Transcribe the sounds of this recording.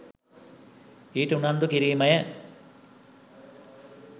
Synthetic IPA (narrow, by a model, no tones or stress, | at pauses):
iːʈunɐnd̪ukiɾiːmɐjɐ